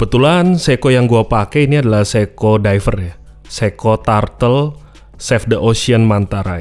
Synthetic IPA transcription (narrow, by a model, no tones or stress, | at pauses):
bət̪ulansekojaŋɡuapakɛiniadalahsekodajfərja | sekot̪art̪əl | sɛfdəʔosiənmant̪aɾai